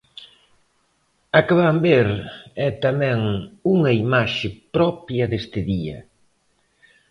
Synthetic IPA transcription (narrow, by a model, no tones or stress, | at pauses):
ɐkaβambeɾɛt̪amɛŋuŋɐimaʃɪpɾɔpjɐðest̪ɪðiɐ̰